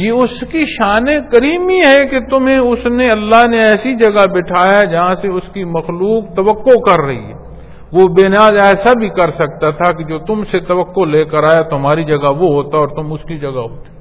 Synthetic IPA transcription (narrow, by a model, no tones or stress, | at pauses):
jeʊskiʃaːnekɐɾiːmiɦɛket̪ʊmɦẽʊsneɐlːaɦneɛːsid͡ʒɐɡabɪʈʰaːjad͡ʒɐɦãseʊskimɐxluːk̚t̪ɐʋəkːokɐɾːɐɦḭɦɛ̰ː | ʋobeːnjaːzɛːsabʱikɐɾsɐk̚t̪at̪ʰaked͡ʒoːt̪ʊmset̪ɐʋəkːoleːkəɾaːjat̪oɦɐmaːɾid͡ʒɐɡaʋoɦoːt̪aɔːɾt̪ʊmʊskid͡ʒɐɡaɦoːt̪e̥